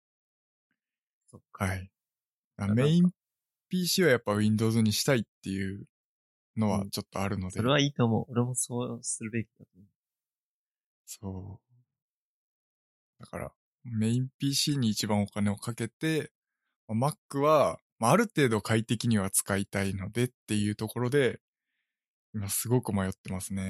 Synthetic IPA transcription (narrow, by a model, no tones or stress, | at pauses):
okhai | ameĩm | pʲiːɕiːβajapːaβĩnd̪o̞ːzɨɲ̟iɕi̥t̪ait̪ːe̞jɯ̟ | no̞βa̰t͡ɕo̞t̪ːo̞aɾɯ̟no̞d̪eɾeaiːt̪omo̰oɾemosoːsɨɾɯ̟be̞kʲi̥d̪at̪omo | so̞ː | d̪̥aka̰ɾa̰ | meĩpʲiːɕiːɲ̟iːt͡ɕibãɰ̃o̞kane̞o̞kake̞t̪e̞ | mamakːɯ̟βa | maːɾɯ̟t̪e̞ːd̪o̞kʰait̪e̞kʲiɲ̟iβat͡sɨ̥kait̪aino̞d̪e̞t̪ːe̞jɯ̟ːt̪o̞ko̞ɾo̞d̪e̞ | imasɨɡo̞kɯ̟majo̞t̪ːe̞masɨne̞